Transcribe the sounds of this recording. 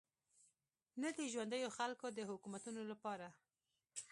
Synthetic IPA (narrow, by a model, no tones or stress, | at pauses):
nad̪iʒwand̪əjoxalkod̪əɦʊkumat̪unolapɑɾa